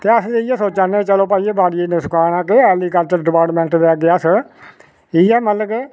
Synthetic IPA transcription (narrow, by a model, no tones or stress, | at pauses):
t̪eːəsd͡ʒeiɛːsoːt͡ʃaːnẽːt͡ʃəloːpaːiːeːbaːɽieneskaːnãːkeɛːliːkəɾt͡ʃəɾɖɪpaːʈmɛ̃ɳʈʋɛːɡeaːs | ɪɛːmət̪ləɡ